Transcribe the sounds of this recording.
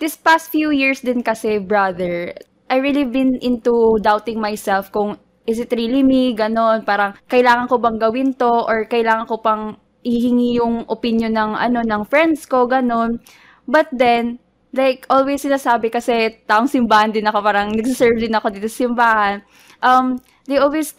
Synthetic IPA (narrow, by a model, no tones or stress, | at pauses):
d̪ɪspast̪̚fjujiɹsd̪ɪnkɐsɛbɹɐd̪ɛɹ | ʔɐjɹiːlibɪnʔɪnt̪ud̪awt̪ɪŋmajsɛlfkʊŋ | ʔɪsɪt̪ɾilimiɡɐno̞npaːɾɐŋkɐʔɪlaːŋɐnkobɐŋɡɐwɪnt̪o̞ʔoɹkɐʔɪlaːŋɐnkopɐŋ | ʔɪhhɪŋijʊŋʔopɪnjonːɐŋʔɐ̰no̞nɐŋfɹɛnd̪sko̞ɡɐno̞n | bɐt̪̚d̪ɛn | lajkʔolwɛsːɪnaːsaːbɛkɐsɛt̪aːʔoŋsɪmbaːhɐnd̪ɪnɐko̞paːɾɐŋnɐɡsisɛɹvd̪ɪnɐko̞d̪iːt̪osɐ̥sɪmbaːhɐn | ʔɐm | d̪ejʔolwɛs